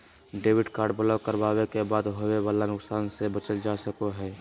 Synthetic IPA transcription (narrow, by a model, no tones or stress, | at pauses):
ɖeːwɪɖkaːɾɖbəlakəɾbaːwekebaːd̪ɦoweʋaːlanʊksaːnsebət͡ʃəld͡ʒasəkoɦɛː